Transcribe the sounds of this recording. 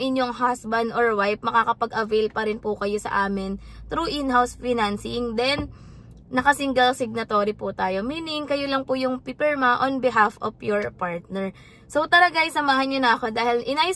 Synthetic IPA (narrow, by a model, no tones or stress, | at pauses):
ʔɪnjo̞ŋɦasbɐnd̪ʔoɹwajp̚mɐkakɐpɐɡʔɐvɛjlpɐɾɪnpʊkɐjo̞sɐ̰ʔaːmɪn | t̪ɾuːʔɪnɦawsfɪnansɪŋd̪ɛnː | ɐkɐsɪŋɡɐlsɪɡ̚nɐt̪oːɾipʊt̪aːjo̞miːnɪŋkɐjolɐŋpʊjʊŋpipɛɹmaʔonbɪɦafofjoɹpaɹt̪̚nɛɹ | sowt̪ɐlɐɡajsɐmaːhɐnɲonɐʔɐko̞d̪aːhɪlʔɪnaj